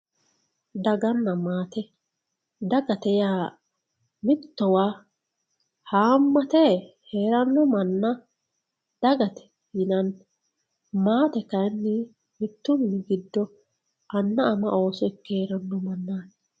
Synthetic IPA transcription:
d̪ɐɡɐnːɐmaːt̪ɛ | d̪ɐɡɐt̪ɛjaː | mɪt̪ːɔwaː | haːmːɐt̪ɛheːɾɐnːɔmɐnːɐ | d̪̥ɐɡɐt̪ɛ̥ | hɪnɐn | maːt̪ɛkɐjnːɪ | mɪt̪ːʊmɪɡɪd̪ːɔ | ʔɐnːɐʔɐmɐʔo̞ːsɔɪkːeːɾɐnːɔmɐnːaːn

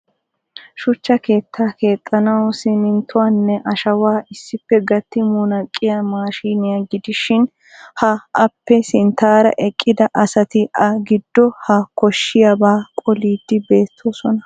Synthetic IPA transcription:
ʃʊt͡ʃːɐke̞ːt̪ʰːaːke̞ːt̪ʼːɐnɐwsɪmɪnt̪ʊwaːnːɛʔɐʃɐwaːʔɪsːɪpːɛɡɐt̪ːɪmunɐkʼːɪjamaːʃiːnɪjaɡɪd̪ɪʃɪn | hɐɐpːɛsɪnt̪aːɾɐ̰ʔɛkʼːɪd̪ɐʔɐsɐt̪ɪʔɐɡɪd̪ːɔhɐkɔʃːɪjabaːkʼɔliːd̪̥ːɪbe̞ːt̪ʰːoːsɔnɐ

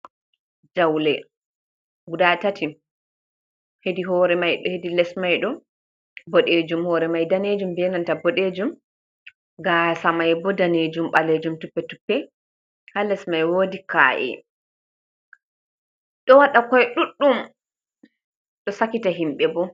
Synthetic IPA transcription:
d͡ʒawlɛ | ɡudatatʰi | hediɦɔːɾɛmajɗɔhedilɛsmajɗɔ | bɔɗeːd͡ʒumhɔːɾɛmajdaned͡ʒumbɛnantabɔɗed͡ʒum | ɡasamajbɔdaned͡ʒumɓaled͡ʒumtupːɛtupːɛ | halɛsmajwoːdika̰ːʔɛ̰ | ɗɔwaɗakɔjɛɗuɗːum | ɗɔsakitaɦimɓɛbɔ

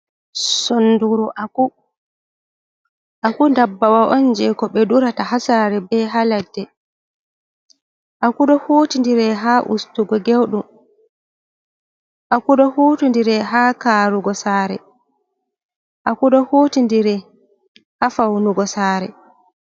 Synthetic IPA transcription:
sonduɾuʔaku | ʔakundabːawaʔɔnd͡ʒɛkɔɓɛduɾatahasaɾɛbɛɦaladːɛ | ʔakuɗɔhuːtindiɾɛɦaːʔṵstuɡɔɡewɗum | ʔakuɗɔhuːtindiɾɛɦaːkaːɾuɡɔsaːɾɛ̰ | ʔakuɗɔhoːtindiɾɛ | hafawnuɡɔsaːɾɛ̰

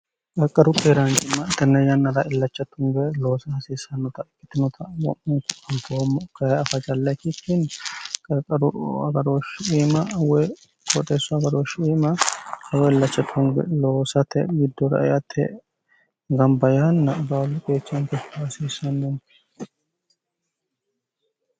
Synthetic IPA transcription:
kʼɐkʼːɐɾʊkʼeːɾaŋɡɪmːɐt̪ɐnːɐjɐnːɐɾɐʔɪlːɐt͡ʃːɐt̪ʊŋɡɛloːsɐhɐsiːsɐnːɔt̪ɐkːɪt̪ɪnɔt̪ʰɐwɔ̰ʔʊŋkʊɐmt̪omːɔkɐɐfɐt͡ʃʼɐlːɐkɪt̪ːɪnkʼɐkʼːɐɾʊɐɡɐɾoʃeːmɐwɛ | kʰʼɔt̪ʼeːsːʊɐɡɐɾoːʃiːmɐhɐwɛɪlːɐt͡ʃːɐt̪ʊŋɡɛ̰loːsɐt̪ʰɛɡɪd̪ːɔɾɐ̰ʔjɐt̪ʰːɛ̰ | ɡɐmbɐjɐnːɐbaːlːʊkʼeːt͡ʃːɐŋk̪ɛfhɐsiːsɐnːʊŋ

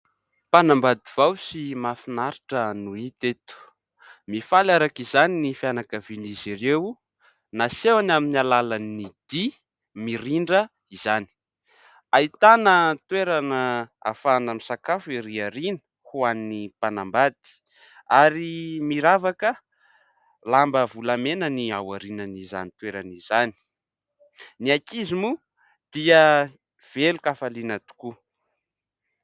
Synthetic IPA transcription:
panambad̪iv̥awsimafinaɾiʈ͡ʂənuit̪et̪u̥ | mifalaɾakizaninifianakəvinizirew | nasewanaminalalanid̪̥i | miɾiɳɖ͡ʐə | izani̥ | ait̪anət̪weɾanəa̰fanamisakafiɾiaɾinə̥ | huaninipanambat̪i̥ | aɾimiɾavakə | lambəvulamenəniawaɾinəniza̰nit̪weɾanizani̥ | niakizimu | d̪̥iə | v̥elukafalinat̪u̥ku

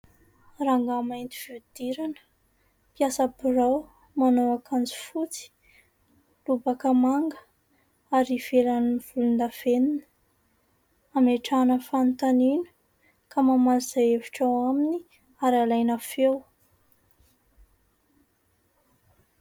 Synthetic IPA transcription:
raŋɡamajnt̪i̥v̥ewd̪̥iɾanə̥ | pjasapuraw | manowakʰand͡zi̥fut͡si̥ | lubakəmaŋɡə | aɾiv̥elanv̥ulund̪av̥enin | ameʈ͡ʂanəfant̪aninə̥ | kamamaliz̥ajeviʈ͡ʂawamini | aɾalajnafew

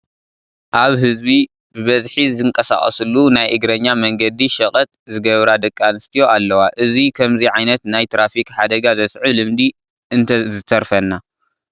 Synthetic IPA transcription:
ʔaβɦɨzbi | bɨβɐzħizɨŋkʼɐsa̰χʼɐ̰sɨlːunajʔɨɡɾɐɲːamɐŋɡɐd̪iʃɐχʼɐt̪̚zɨɡɐβɾad̪ɐkʼːanɨst̪ʰijo̞alːɐwaʔɨzikʰɐmziʕajnɐt̪najt̪ʰɾafikħad̪ɐɡazɐsʕɨlɨmd̪i | ɨnt̪ʰɐzɨt̪ʰːɐɾfɐnːa

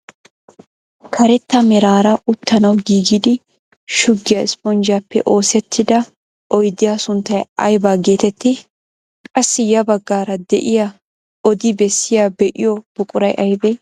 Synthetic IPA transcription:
kʰɐɾɛt̪ːɐmɛɾaːɾɐʊt̪ʰːɐnɐwɡiːɡɪd̪ɪ | ʃʊɡːɪjɐɪspɔnd͡ʒɪjaːpːɛ̰ʔo̞ːsɛt̪ʰːɪd̪ɐ | ʔɔjd̪ɪjasʊnt̪ːɐjʔɐ̰jbaːɡe̞ːt̪ɛt̪ːɪ | kʼɐsːɪjɐbɐɡːaːɾɐd̪ɛʔɪja | ɔd̪ɪbɛsːɪjabɛʔɪjɔb̥ʊkʼʊɾɐjʔɐjbɛj

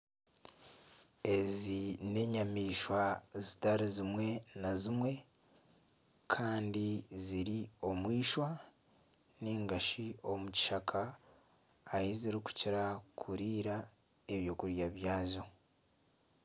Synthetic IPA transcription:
e̞zine̞ɲamiːʃwazitaɾizimwe̞nazimwe̞ | kʰaːndiziɾio̞mwiːʃwa | neːŋɡaʃiomuci̥ʃakʰaː | jiziɾiku̥ciɾakʰuɾiːɾa | eβjo̞kuɾjaβjaːzo

